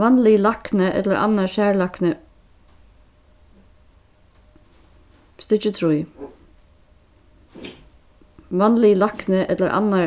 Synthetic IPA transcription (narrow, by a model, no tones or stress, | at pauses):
ɑnlɪlɑknəʔɛ̰t̪ləɾʔɑ̰nɑʃæːɭɑknə | st̪ɪçət̪ʰɾʊj | ʋɑnlɪlɑknəʔɛt̪ləɾʔɑ̰nɑ